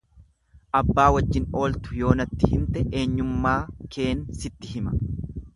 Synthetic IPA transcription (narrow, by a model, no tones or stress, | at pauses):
ʔɐbːaːwɐd͡ʒːɪno̞ːlt̪ʊ̥jo̞ːnɐt̪ːɪhɪnt̪ɛʔe̞ːɲːʊmːaːkʰe̞ːnsɪt̪ːɪhɪmɐ